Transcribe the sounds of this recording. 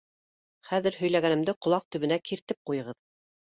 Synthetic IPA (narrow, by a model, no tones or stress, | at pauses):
χæðɘ̆ɾɦɵ̆jlæɡænɘ̆md̪ɘqŏlˠɑq̚t̪ɵ̆βɘ̆nækiɾt̪ɘp̚qujɤ̆ʁɤð